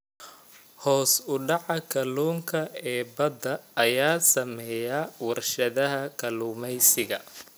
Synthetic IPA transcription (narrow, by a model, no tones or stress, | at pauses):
hɔːsʊɖɑʕɑkʰɐluːŋkʰɐɛːbɐd̪ɐːjaːsɐmɛjɐwɐrʃɐðɐɦɐkʰɐluːmɛjsɪɣɐ